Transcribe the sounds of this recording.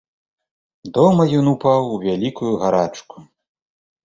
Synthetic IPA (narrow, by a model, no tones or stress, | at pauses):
d̪ɔmɐjɔnupawuvʲalʲikujuɣaɾat͡ʂku̥